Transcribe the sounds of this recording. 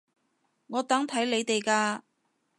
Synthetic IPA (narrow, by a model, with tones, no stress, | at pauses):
ŋɔː˨˧t̪ɐ˨˥ŋt̪ʰɐ˨˥jle˨˧jt̪e˨jkaː˧